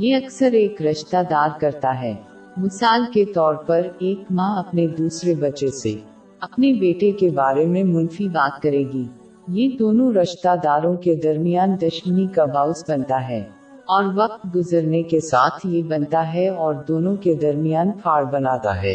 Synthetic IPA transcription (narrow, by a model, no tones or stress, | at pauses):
jeɐksəɾeːkɾɐʃt̪ad̪aːɾkɐɾt̪aɦɛː | mɪsaːlket̪ɔːɾpɐɾeːkmãːɐpned̪uːsɾebɐt͡ʃese | ɐpnebeːʈekebaːɾemẽmʊnfibaːt̪kɐɾeːɡiː | jed̪oːnõɾɐʃt̪ad̪aːɾõked̪ɐɾmijaːnd̪ɐʃmənikabʱaːʊsbɐ̃nt̪aɦɛː | ɔːɾʋɐq̚t̪ɡʊzəɾnekesaːt̪ʰjebɐnt̪aɦɛɔːɾd̪oːnõked̪ɐɾmijaːnfʰaːɾbɐnaːt̪a̰ɦɛ̰ː